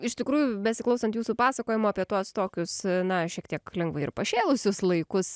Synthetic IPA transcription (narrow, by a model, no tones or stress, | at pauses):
ɪʃt̪ʲɪkɾuːjʊbʲɛsʲɪklˠɐʊsɐnt̪juːsuːpɑːsɐkoːjɪmoːɐːpʲiɛt̪uɔst̪oːkʲʊsnɐʃʲiɛk̚t̪ʲiɛklʲɛŋɡʋɐɪɪɾpɐʃʲeːlˠʊsʲʊslˠɐɪkʊs